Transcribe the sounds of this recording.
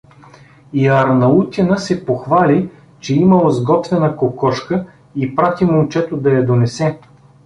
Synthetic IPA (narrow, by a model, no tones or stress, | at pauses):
iɐɾnɐut̪ʲinəsɛpoxvali | t͡ʃɛiməlzɡɔt̪vɛnəkokɔʃkə | ipɾat̪imolt͡ʃɛt̪od̪ɐjɐd̪onɛsɛ